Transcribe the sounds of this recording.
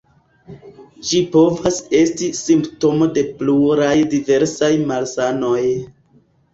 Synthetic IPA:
d͡ʒipo̞vase̞stisimpto̞mo̞de̞pluɾajdive̞ɾsajmalsano̞j

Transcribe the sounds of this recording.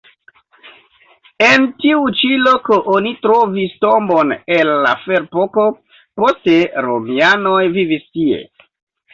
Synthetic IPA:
entiut͡ʃilo̞koʔonitɾovisto̞mbonelːa̰feɾpoko̞ | po̞steɾo̰mianojvivistie̞̰

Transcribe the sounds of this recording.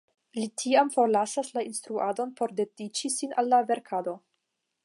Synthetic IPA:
litʰiamfo̞ɾlasaslainstɾuado̞npo̞ɾde̞dit͡ʃisina̰lːave̞ɾkʰado̞

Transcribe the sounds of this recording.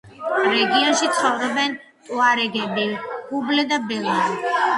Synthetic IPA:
ɾɛɡiɔnʃit̪sʰχɔvɾɔbɛnʼ | waɾɛɡɛbiublɛd̪abɛlˠa

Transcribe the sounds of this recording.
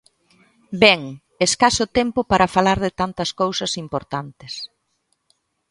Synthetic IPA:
bɛŋ | eskasʊt̪ɛmpʊpaɾɐfalaɾðɪt̪ant̪ɐskowsɐsimpoɾt̪ant̪ɪs

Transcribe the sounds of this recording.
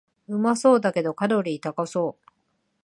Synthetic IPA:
ɯ̟maso̞ːd̪ake̞d̪o̞kaɾo̞ɾʲiːt̪akaso̞ː

